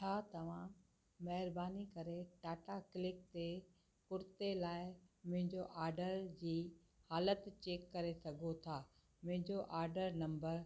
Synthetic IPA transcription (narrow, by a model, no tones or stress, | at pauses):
t͡ɕʰaːt̪ɐʋ̤ã | mɐɦɪɾbaːnikɐɾeʈaːʈaklɪk̚t̪e | pʊɾt̪elaːɪmʊ̃ɦɪ̃ɲd͡ʑoʔaːɾɖəɾd͡ʑiː | haːlət̪t͡ɕeːkːɐɾesɐɡʱot̪ʰaː | mʊ̃ɦɪ̃ɲd͡ʑoʔaːɾɖəɾnɐ̃mbəɾ